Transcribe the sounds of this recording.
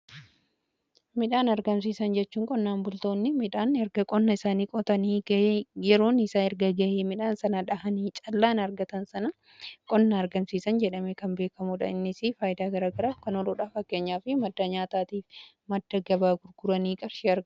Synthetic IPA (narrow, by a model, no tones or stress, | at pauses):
mɪᶑaːnɐɾɡɐmsiːsɐnd͡ʒɛt͡ʃːuːŋkʼɔnːaːnbʊlt̪o̞ːnːɪmɪᶑaːnɛɾɡɐkʼɔnːɐɪsaːniːkʼɔt̪ɐniːɡjɛɾo̞ːnɪsaːɛɾɡɐɡɐʔeːmɪᶑaːnsɐnɐᶑɐhɐniːt͡ʃʼɐlːaːnɐɾɡɐt̪ɐnsɐnɐ | kʼɔnːɐɐɾɡɐmsiːsɐnd͡ʒɛᶑɐmeːkɐmbeːkɐmuːᶑɐ̰ɪnːɪsifaːjɪd̪aːɡɐɾaːɡɐɾaːfkɐnɔloːᶑaːfɐkːe̞ːɲːaːfɪmɐd̪ːɐɲaːt̪aːt̪iːf | mɐd̪ːɐɡɐbaːɡʊɾɡʊɾɐniːkʼɐɾʃeːɐɾɡɐ